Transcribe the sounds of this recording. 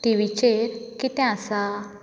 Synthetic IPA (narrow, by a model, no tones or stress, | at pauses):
ʈ̪iʋit͡ɕeɾkit̪ɛ̃asa